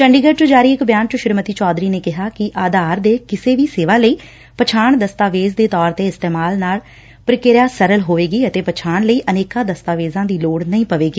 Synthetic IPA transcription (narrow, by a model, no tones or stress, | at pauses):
t͡ʃəɳɖiːɡəʈt͡ʃõːd͡ʒaːɾiːɪkbjaːnt͡ʃʊʃɪɾmət̪iːt͡ʃɔːd̪ɾiːneːkɪɦaːkɪʔaːd̪aːɾd̪eːkɪseːʋiːseːʋaːləiː | pət͡ʃʰaːɳd̪əst̪aːʋeːzd̪eːt̪ɔːɾt̪eːɪst̪eːmaːlnaːl | pɾɪkeɾjaːsəɾəlɦoːʋeːɡiːət̪eːpət͡ʃʰaːɳləiːʔəneːkãːd̪əst̪aːʋeːzãːd̪iːloːɽnəĩːpəʋeːɡiː